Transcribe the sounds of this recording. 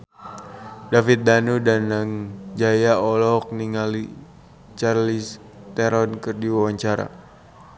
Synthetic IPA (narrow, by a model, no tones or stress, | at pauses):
dafit̪̚danudanaŋd͡ʒajaɔlɔk̚niŋali | t͡ʃarlis | t̪ɛɾɔnkɨrdiwawaɲt͡ʃaɾa̰